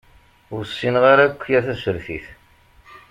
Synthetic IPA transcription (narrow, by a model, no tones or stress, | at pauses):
ʊɾsːinʁaɾækʷːjæθæsəɾθḭθ